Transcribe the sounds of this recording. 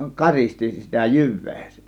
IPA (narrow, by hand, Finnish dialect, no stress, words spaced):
kɑristi sitæ jyʋˑe̥ː